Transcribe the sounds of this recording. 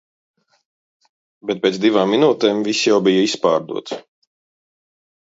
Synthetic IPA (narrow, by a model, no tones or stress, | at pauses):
bɛt̪̚pʲeːt̪zd̪ivaːmːinuːt̪ɛːmvisjawbijɐispaːɾd̪ṵɔt̪